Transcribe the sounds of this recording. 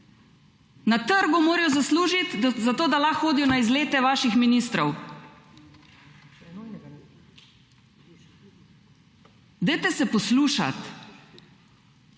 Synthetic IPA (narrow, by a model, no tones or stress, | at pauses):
nat̪əɾɡumoːɾɛjɔzasluːʒit̪zat̪oːd̪alaxːoːd̪ijɔnaizleːt̪ɛʋaːʃixminist̪ɾɔw | d̪əjt̪ɛsɛpɔsluːʃa̰t̪